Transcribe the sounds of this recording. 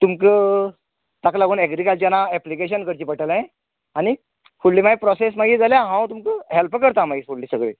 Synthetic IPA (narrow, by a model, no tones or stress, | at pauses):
t̪umkə | t̪aklaɡuːnɛɡɾikalt͡ɕanaɛplikeɕ̬ənkəɾt͡ɕiːpəʈʰəlãẽ | añi | kuɽliːmaɡipɾɔses̬maɡiːd͡zaljaɦãwt̪umkəɦelpkəɾt̪amaɡisuɽliːsəɡɭḛ